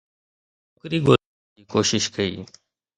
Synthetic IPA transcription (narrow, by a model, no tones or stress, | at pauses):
okɾiːɡoː | iːkoːʃɪʃkəḭː